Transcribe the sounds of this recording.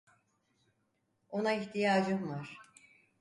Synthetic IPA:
o̞naiçt̪ʰijaːd͡ʒɯmaɾ̥

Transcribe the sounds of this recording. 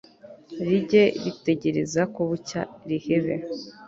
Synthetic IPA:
ɾiɟe̞ɾite̞ɟe̞ɾe̞zakoβuca̰iɾiheβe

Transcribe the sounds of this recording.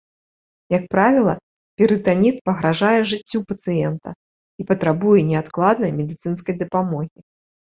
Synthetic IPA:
jɐk̚pɾavʲilˠɐ | pʲiɾɨt̪anʲit̪̚pɐɣɾaʐajɛʐɨt͡sʲːupɐt̪sɨjɛnt̪ɐ̰ | ipɐt̪ɾabujɛnʲɛat̪klˠad̪nɐjmʲɛd̪ɨt̪sɨnskɐjd̪ɐpamɔɣʲi

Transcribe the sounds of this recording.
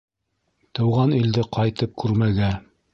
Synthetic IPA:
t̪ɤ̆wʁɑnild̪ɘqʰɑjt̪ɤp̚kʉɾmæɡæ

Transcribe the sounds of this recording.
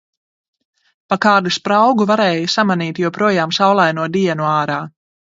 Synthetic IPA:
pakaːd̪uspɾawɡuvaɾɛːjusamaniːt̪juɔpɾuɔjaːmsawlˠajnuɔd̪iɛnuaːɾaː

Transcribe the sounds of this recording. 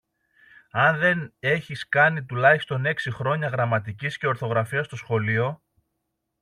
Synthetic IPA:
ɐnðe̞ne̞çiskɐnit̪ulɐist̪o̞ne̞ksixɾo̞ɲɐɣɾɐmɐt̪icisce̞o̞ɾθo̞ɣɾɐfiɐst̪o̞sxo̞lio̞

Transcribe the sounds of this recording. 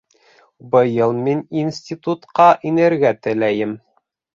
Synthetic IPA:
bɤ̆jɤlˠmininsʲtʲit̪ut̪qɑʔinɘ̆ɾɡæt̪ɘ̆læjɘm

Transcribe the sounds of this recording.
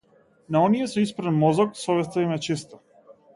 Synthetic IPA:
naɔnijɛsɛispɾanmɔzɔksɔvɛst̪aimɛt͡ʃist̪ɔ̥

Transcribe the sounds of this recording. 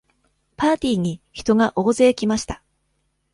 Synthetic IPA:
paːt̪ʲiːɲ̟içi̥t̪o̞ɡaʔo̞ːze̞ːkʲimaɕi̥t̪ḁ

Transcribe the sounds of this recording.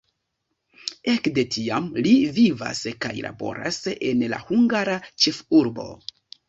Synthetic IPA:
e̞kde̞tiamliviva̰skajlʔa̰bo̞̰ɾʔa̰senla̰huŋɡaɾat͡ʃe̞fuɾbo̞̰

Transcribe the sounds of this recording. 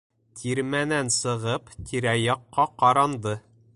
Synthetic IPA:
t̪ʰiɾmænænsɤ̆ʁɤpt̪ʰiɾæjɑqːɑqɑɾɑnd̪ɤ

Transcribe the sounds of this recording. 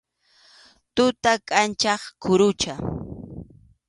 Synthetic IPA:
t̪ʊt̪akʼant͡ʃɑχkʰʊɾʊt͡ʃa

